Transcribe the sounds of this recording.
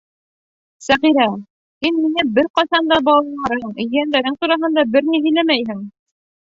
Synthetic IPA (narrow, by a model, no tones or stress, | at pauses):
sæʁiɾæ | hinminɘbɘɾqɑsɑnd̪ɑbɑlˠɑlˠɑɾɤɴ̆jɘ̆jænd̪æɾɘŋt̪uɾɑɦɤ̆nd̪ɑbɘɾniɦɘ̆jlæmæjɦɘŋ